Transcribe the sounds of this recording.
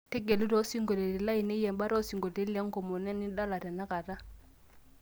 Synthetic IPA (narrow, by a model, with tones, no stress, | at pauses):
tɛ˦ɡɛ˨lu˦ɾɔ˦si˦ŋɡɔ˨lɛ˨ɾi˨la˦i˨nɛ˦jɛ˨mba˦ɾɔ˦si˨ŋɡɔ˨ɛ˦lɛ˦ŋ˦ɡɔ˨mɔ˨nɛ˦nɪ˦ɗa˦la˨tɛ˨na˦ka˨ta˦